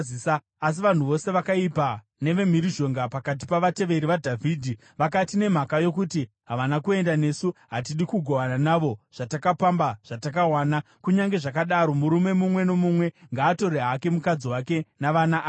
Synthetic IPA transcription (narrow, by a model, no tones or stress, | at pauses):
isaː | s̬iʋan̤uʋo̞se̞ʋakaipa | ne̞ʋe̞miɾiʒo̞ŋɡapakat̬ipaʋate̞ʋe̞ɾiʋadʱavʱiːdʱi | ʋak̬atine̞m̤akajo̞kuti | ɦaʋanakue̞ndane̞suɦat̬iɗikuɡʱoʋananaʋo̞ʐ̥atakapambaʐ̥atakawaːna | kuɲaŋɡe̞ʐakaɗaɾo̞muɾume̞mumwe̞no̞mumwe̞ŋɡaːto̞ɾeɦake̞mukad͡ziwake̞naʋanaʔː